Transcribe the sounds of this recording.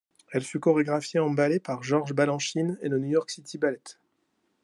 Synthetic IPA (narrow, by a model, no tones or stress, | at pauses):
ɛlfykɔʁeɡʁafjeɑ̃balepaʁʒɔʁʒbalɑ̃ʃinḛlənjujɔʁksit̪ʰibalɛt̪